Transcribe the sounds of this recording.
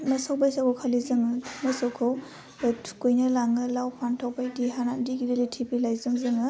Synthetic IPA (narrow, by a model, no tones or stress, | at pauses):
mɐsawbajsakɔwkʰalizɯŋɯmasawkʰaw | tʰkujnɐlaŋɯlawpʰantʰawpajdiɦanandiɡidelitʰibilajzɯŋzɯŋɯ